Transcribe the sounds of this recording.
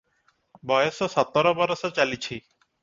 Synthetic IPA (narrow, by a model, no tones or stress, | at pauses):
bɔjɔsɔsɔt̪ːɔɾɔbɔɾɔʃɔt͡ɕalit͡ɕʰi